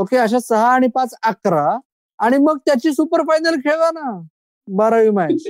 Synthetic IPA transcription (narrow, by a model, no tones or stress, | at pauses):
okeəɕ̬asəɦaːɽ̃ipat͡sakɾaː | ɽ̃iməɡ̚t̪jat͡ɕiːsupəɾfajnəlkʰeɭana | bəɾaʋimaj